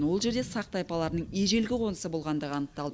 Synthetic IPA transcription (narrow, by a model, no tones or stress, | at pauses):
nwo̞lˠʒe̞ɾd̪e̞sɑq̚t̪ɑjpɑlˠɑɾənəɴeʒe̞lɡʲɪqʰo̞nəsəbo̞lˠʁɑnd̪əʁəɑnəq̚t̪ɑlˠd̪ə